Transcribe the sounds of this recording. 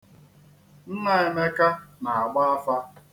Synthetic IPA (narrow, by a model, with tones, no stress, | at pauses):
n̩˦na˦e˨me˦ka˦na˨a˨ɡ͡ba˦a˦fa˦